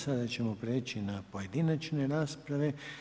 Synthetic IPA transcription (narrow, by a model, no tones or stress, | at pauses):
sad̪at͡ɕe̞mopɾeːt͡ʃinapo̞je̞d̪inat͡ʃne̞ɾaːspɾaʋe̞